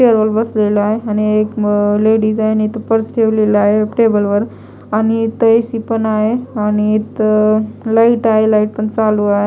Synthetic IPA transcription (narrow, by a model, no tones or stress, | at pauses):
peəɾʋəlbəsleləaɦeañiekleɽisaɦenit̪əpəɾsʈʰeʋleləaɦeʈebəlʋəɾ | añit̪əesipənaɦeañiːt̪ | laiʈaɦelaiʈ̚pəɳt͡saluaɦe